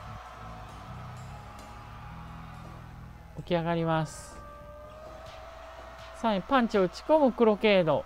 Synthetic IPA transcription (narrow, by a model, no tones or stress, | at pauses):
okʲiaɡaɾʲimasɨ̥ | saipãɲt͡ɕiot͡ɕi̥ko̞mɯ̟kɯ̟ɾo̞ke̞ːd̪o̞